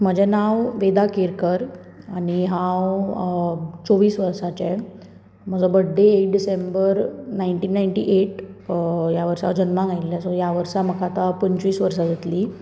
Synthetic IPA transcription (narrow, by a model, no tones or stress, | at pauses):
m̤əd͡ʑɛnãwʋed̪akeɾkəɾ | aniɦãw | t͡soʋiːsʋəɾsat͡ɕɛ | m̤əd͡zɔbəɽɖeːkɖisembəɾnajɳʈiːnːajɳʈḭʔeʈ | jaʋəɾsa̰wd͡ʑənmãŋɡajlːasɔjaʋəɾsam̤əkʰat̪apənt͡ɕʋiːsʋəɾsad͡zet̪liː